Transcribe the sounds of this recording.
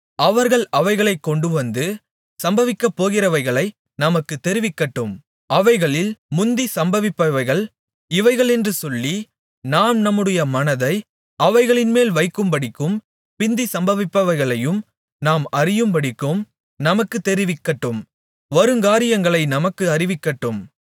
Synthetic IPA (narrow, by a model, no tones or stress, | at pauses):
ʔɐʋɐɾɣɐɭɐʋɐɪɣɐɭɐɪkːɔɳɖɯʋɐnd̪ɯ | sɐmbɐʋɪkːɐpːoːɣɪrɐʋɐɪɣɐɭɐɪ | nɐmɐkːɯt̪ːɛɾɪʋɪkːɐʈːɯm | ɐʋɐɪɣɐɭɪlmʊnd̪isɐmbɐʋɪpːɐʋɐɪɣɐɭ | ɪʋɐɪɣɐɭɛndrɯsɔlːi | naːmnɐmːɯɽɪjɐmɐnɐðɐɪ | ɐʋɐɪɣɐɭɪnmeːlʋɐɪkːɯmbɐɽɪkːɯm | pɪnd̪isɐmbɐʋɪpːɐʋɐɪɣɐɭɐjɯm | naːmɐrɪjɯmpɐɽɪkːɯm | nɐmɐkːɯt̪ːɛɾɪʋɪkːɐʈːɯm | ʋɐɾɯŋɡaːɾɪjɐŋɡɐɭɐɪnɐmɐkːɯɐrɪʋɪkːɐʈːɯm